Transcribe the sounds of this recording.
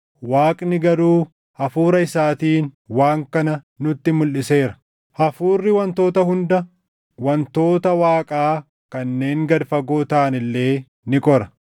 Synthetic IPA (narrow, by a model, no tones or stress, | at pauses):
waːkʼnɪɡɐɾuː | hɐfuːɾɐɪsaːt̪iːnwaːŋkɐnɐ | nʊt̪ːɪmʊlʔɪse̞ːɾɐ̥ | hɐfuːrːɪwɐnt̪o̞ːt̪ɐhʊnd̪ɐ | wɐnt̪o̞ːt̪ɐwaːkʼaː | kɐnːe̞ːŋɡɐd̪fɐɡoːt̪ɐːnɪlːe̞ː | nɪkʼɔɾɐ̥